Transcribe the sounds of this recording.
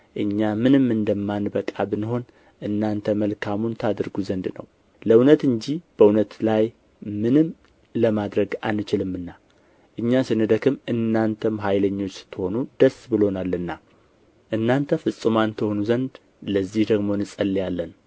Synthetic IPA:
ʔɨɲːamɨnɨmɨnd̪əmːanbəkʼːa̰bɨnɦo̞n | ʔɨnːant̪ʰəməlkʰamunt̪ʰad̪ɨɾɡuzənd̪nə̰w | ləunət̪ɨnd͡ʒib̥əunət̪laj | mɨnɨm | ləmad̪ɾəɡa̰nːɨt͡ʃɪlɨmːɨnːa | ʔɨɲːasɨnɨd̪əkʰɨmɨnːant̪ʰəmɦajləɲːo̞t͡ʃːt̪ʰɨho̞nud̪əsbɨlonalːɨnːa | ʔɨnːant̪ʰəfɨsʼːɨmant̪ʰəho̞nuzənd̪ | ləzːihd̪əɡmo̞nɨsʼəlːjalːən

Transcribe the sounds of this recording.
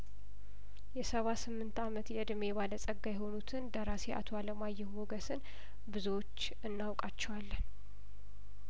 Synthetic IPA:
jɛsəβasɨmːɨnt̪amət̪jɛɨd̪me̞βaləsʼəɡːajɛɦo̞nut̪ʰɨnd̪əɾaseʔa̰t̪ʰoaləmajːɛmoɡəsɨn | bɨzuwot͡ʃː | ɨnːawkʼat͡ʃːɛwalːn

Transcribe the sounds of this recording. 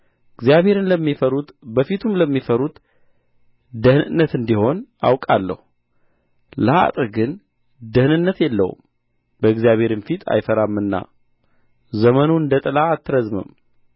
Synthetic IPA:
ɨɡzijaβhe̞ɾɨnləmːifəɾubəfit̪ʰumləmːifəɾut̪ | d̪əhnɨ̰nːət̪ɨnd̪iho̞na̰wkʼalːə̰hu | ləa̰t̪ʼɨɡɨn | d̪əhnɨnːət̪jɛlːə̰wṵm | bəɨɡzjaβʱhe̞ɾɨnfit̪ʰa̰jfəɾamːɨnːa̰ | zəmənuɨnd̪ət̪ʼɨlaːt̪ʰːɨɾəzmɨ̰m

